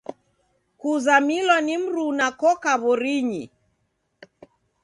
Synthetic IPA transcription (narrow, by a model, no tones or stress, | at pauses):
kuzamilwanim̩ɾunakɔkaβɔɾiɲi